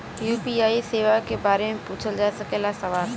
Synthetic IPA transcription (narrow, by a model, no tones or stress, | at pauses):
juːpiːaːiseːʋakebaːɾemẽpuːt͡ʃʰəld͡ʒaːsɐkelasɐʋaːl